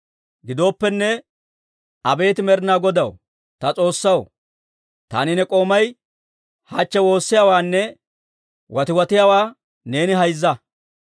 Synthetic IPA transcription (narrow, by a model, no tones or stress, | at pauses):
ɡɪd̪o̞ːpːɛnːɛ | ɐbe̞ːt̪ɪmɛɾɪnaːɡɔd̪ɐw | t̪ɐt͡sʼo̞ːsːɐw | t̪a̰ːnɪnɛkʼo̞ːmɐj | hat͡ʃːɛwo̞ːsːɪjaːwaːnːɛ | wʔɐt̪ɪwɐt̪ɪjaːwaː | ne̞ːnɪɦɐjzːɐ